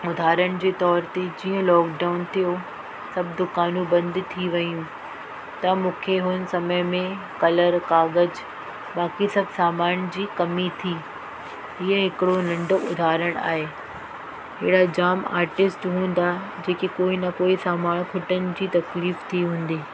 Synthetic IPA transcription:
ʊd̪ʱaːɾəɽ̃̆d͡ʑeːt̪ɔːɾt̪ed͡ʑiːə̃lɔːkɖaːʊnt̪ʰijo | sɐbʱd̪ʊkaːnũbɐ̃nd̪t̪ʰiʋɐjũ | t̪ɐmũːkʰeɦʊnɪ̆sɐməmẽ | kɐləɾkaːɡəd͡ʑ | baːkisɐbʱsaːmaːñd͡ʑiːkɐmit̪ʰiː | ɦiəɦɪkɪɽonɐ̃ɳɖoʊd̪ʱaːɾəɽ̃a̰ːɦeː | ɦɪɦɪɽad͡ʑaːma̰ːɾʈɪsʈɦũːn̆d̪ad͡ʑeːkekoːinɐkoːisaːmaːnkʰʊʈənɪ̆d͡ʑiːt̪ɐkliːft̪ʰiɦũːn̆d̪eː

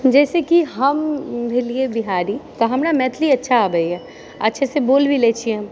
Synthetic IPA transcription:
d͡ʒɛːsekiɦɐmbʱɪliebɪɦaːɾit̪oɦɐmnamɛːt̪ʰliɐtːʃʰaːbəiɦɛː | ɐtːʃʰeseboːlbʱileːt͡ʃʰiɛ̃m

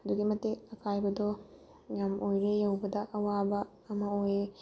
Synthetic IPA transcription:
ɐd̪uɡimɐtːeɐkʰajbɐd̪ɔ | ŋamojɾejɐwbɐd̪ɐʔɐwabɐ | ɐmɐoje

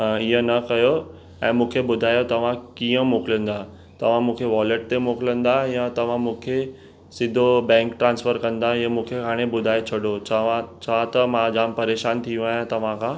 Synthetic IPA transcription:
iɦə̃nɐkɐjo | ɛ̃ːmũːkʰebʊd̪ʱaːjot̪ɐʋ̤ãkiːə̃moːkɪlə̃nd̪a | t̪ɐʋ̤ãmũːkʰeʋɔːləʈ̚t̪emoːkɪlə̃nd̪ajãt̪ɐʋ̤ãmũːkʰe | sɪd̪ʱobɛ̃ːŋkʈɾãːnsfəɾkɐ̃nd̪aə̃mũːkʰeɦaːɽ̃ebʊd̪ʱaːet͡ɕʰɐɽot͡ɕãt͡ɕʰãt̪ɐmãd͡ʑaːmpɐɾeːʃaːnt̪ʰijũaːɦjãt̪ɐʋ̤ãkʰãː

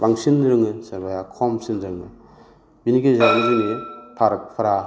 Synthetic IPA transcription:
baŋsindɾɯŋɯsɐɾbajakʰɔmsindɾɯŋɯ | binikezamizinipʰaɾk̚pʰaɾa

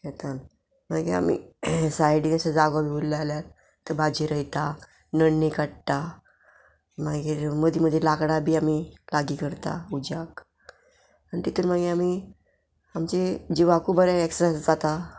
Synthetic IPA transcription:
jet̪an | maɡea̰mḭsajɽĩŋəsad͡zaɡobibulːəaljat̪ | t̪ːəɾbad͡ʑiɾəit̪a | nəɽnikaɽʈa | maɡiːɾməd̪ʱiməd̪ʱːjelakɽabʱiːamilaɡiːkəɾt̪a̰ud͡ʑak | anit̪it̪uɾm̤aɡeami | amt͡ɕed͡ʑiʋakuːbəɾɛeksasd͡zat̪a

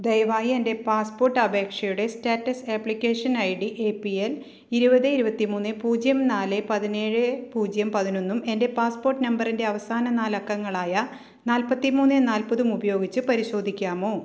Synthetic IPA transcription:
d̪ejɐʋaːjiende̞paːspo̞ːrʈːɐbʱe̞ːkʂɐjuɽe̞steːtːɐseːpɭikʲːeːʂɐnɐjɽiʔeːpiel | iɾubɐðɨiɾubɐt̪ːimuːnːɨpuːd͡ʑjɐmnaːlɨpɐðine̞ːɻɨpuːd͡ʑjɐmpɐðino̞nːume̞nde̞paːspoːrʈːnɐmbɐrinde̞ɐʋɐsaːnɐnaːlɐkːɐŋːɐɭaːjɐ | naːlpɐt̪ːimuːnːɨnaːlpɐðumubɐjo̞ːɡit͡ɕːɨpɐɾiɕo̞ːd̪ʱikʲːaːmo̞ː

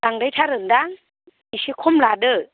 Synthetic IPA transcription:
aŋdajt̪ʰaɾəndaŋ | nisikʰomlaːdə

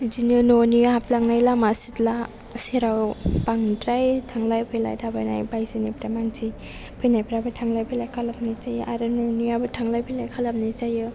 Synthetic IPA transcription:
d͡ʒinɯnonihaplaŋnajlamasitla | seɾawpaŋnitɾajtʰaŋlajpʰɯjla̰jdʰabajna̰jbajzɯnipɾajmaŋt͡ʃʰi | pʰɯjnajpɾabɯtʰaŋlajpʰɯjlajkʰalap̚nat͡ʃajɯʔaɾɯnoniabɯtʰaŋlajpʰɯjlajkʰalap̚nit͡ʃajɯ

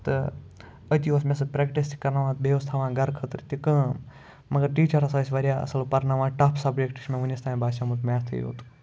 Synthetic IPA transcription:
t̪ɨ | ət̪ʲjiosmẽs̬ɨpɾekʈist̪ʲi̥kɐɾnaːʋãːt̪beʋɐst̪ʰaːʋãːɡɐɾkʰət̪ɾɨt̪ʲikə̃ː | mɐɡɐɾʈiːt͡ʃɐɾɐsaːs̬ʲʋɐɾʲjaːɐ̰sɐlpɐɾnaːʋãːʈaːpʰsɐbd͡ʒekʈi̥smẽʋunʲist̪ʰaːĩbaːʃamut̪maːst̪ʰɨ̰jo̰ːt̪u̥

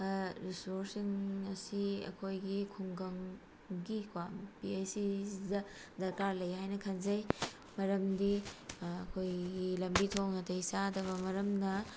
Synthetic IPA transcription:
ɾisoɾsiŋɐsiɐ̰kʰojɡikʰuŋɡɐŋ | ɡikwampiejsidɐ | dɐɾkaɾlɐjɦajnɐkʰɐnzɐj | mɐɾɐmdiɐkʰojɡilɐmbitʰonɐtɐisadɐβɐmɐɾɐmnɐ

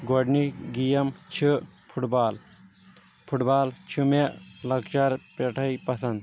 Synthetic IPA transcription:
ɡoɖniɡijɐmt͡ʃʰipʰuʈbaːl | pʰuʈbaːlt͡ʃʰumeʔlɐkt͡ʃɐɾpeʈʰɐjpɐsɐnd̪

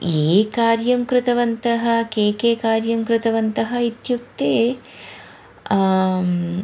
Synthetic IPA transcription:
eːkaːɾjɐmkɾɪt̪ɐʋɐnt̪ɐɦɐkeːkeːkaːɾjɐmkɾɪt̪ɐʋɐnt̪ɐɦɐit̪juk̚t̪eː

